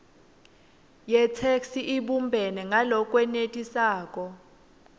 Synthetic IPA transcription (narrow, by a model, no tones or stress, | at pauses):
jɛt͡sʰeksiʔiɓumbʱɛnɛŋalɔk̬ʼwɛnetʼisaːk̬ʼɔ